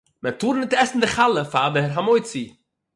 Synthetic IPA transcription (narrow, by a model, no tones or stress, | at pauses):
mɛtuːɾnɪtɛsn̩dɪχalˠəfadəɛɾɦamoɪt͡si